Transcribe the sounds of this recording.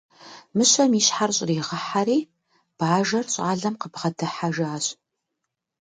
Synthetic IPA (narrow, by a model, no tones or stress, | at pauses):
mɨɕɐmiːɕħarɕʼriːʁɐħaɾiː | b̥aːʒɐrɕʼaːɮɐmqəbʁɐtʰɐħaʒaːɕʼ